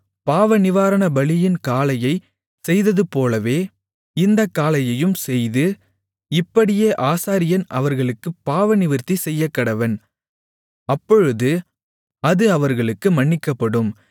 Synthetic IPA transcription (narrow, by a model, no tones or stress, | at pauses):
paːʋɐnɪʋaːɾɐɳɐbɐɭɪjɪnkaːlɐjɐɪ | sɛjðɐðɯpoːlɐʋeː | ɪnd̪ɐkːaːlɐjɐjɯmsɛjðɯ | ɪpːɐɽɪjeːʔaːsaːɾɪjɐnʔɐʋɐɾɣɐɭɯkːɯpːaːʋɐnɪʋɪɾt̪isɛjːɐkːɐɽɐʋɐn | ɐpːɔɻɯðɯ | ɐðɯɐʋɐɾɣɐɭɯkːɯmɐɳːɪkːɐpːɐɽɯm